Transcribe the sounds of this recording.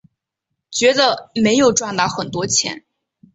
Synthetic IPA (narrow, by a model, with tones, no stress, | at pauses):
t͡ɕɥɛ˧˥d̪ə˧me˧˥ɪjo˨˩ʊʈ͡ʂwa˥˧nt̪a˥˩xə˨˩nt̪wɔ˥t͡ɕʰjɛ̰˧˥n